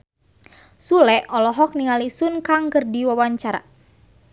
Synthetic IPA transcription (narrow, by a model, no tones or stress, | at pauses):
sulɛʔɔlɔɦɔk̚niŋalisunkaŋkərdiwawaɲt͡ʃaɾa̰